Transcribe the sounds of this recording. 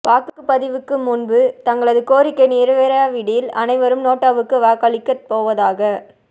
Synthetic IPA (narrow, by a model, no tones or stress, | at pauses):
paːkɯkːɯpɐðɪʋɯkːɯmʊnbɯt̪ɐŋɡɐɭɐðɯkoːɾɪkːɐɪniːɾɯʋeːɾɐaːʋɪɽɪjɪlɐnɐɪʋɐɾɯmnoːʈːaːʋɯkːɯʋaːkɐɭɪkːɐt̪poːʋɐðaːɣɐ